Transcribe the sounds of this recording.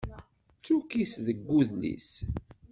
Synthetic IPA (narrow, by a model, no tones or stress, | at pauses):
t͡sːukisðəɡːuðnḭs